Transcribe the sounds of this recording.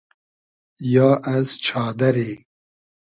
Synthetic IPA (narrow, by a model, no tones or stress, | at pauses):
jɑːʔɐzt͡ʃʰɑːd̪ɐɾeː